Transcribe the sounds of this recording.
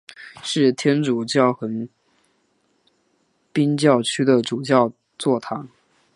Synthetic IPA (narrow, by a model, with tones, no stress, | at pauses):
ʂɻ̩˥˩t̪ʰjɛ˥nʈ͡ʂu˨˩t͡ɕjɑ˥˩ʊxə˧˥n | pi˥nt͡ɕjɑ˥˩ʊt͡ɕʰy˥d̪ə˨ʈ͡ʂu˨˩t͡ɕjɑ˥˧ʊ | t͡swɔ˥˩t̪ʰa˧˥˦n